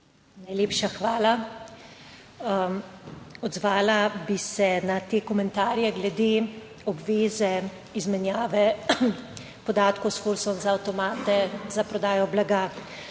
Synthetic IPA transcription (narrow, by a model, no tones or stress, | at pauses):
najleːpʃaxʋaːla | ɔd̪zʋaːlabisɛnat̪eːkɔmɛnt̪aːɾjɛɡlɛd̪e | ɔbʋeːzɛ | izmɛnjaːʋɛ | pɔd̪aːt̪kɔwsfoɾsɔmzaːwt̪ɔmaːt̪ɛzapɾɔd̪aːjɔblaɡa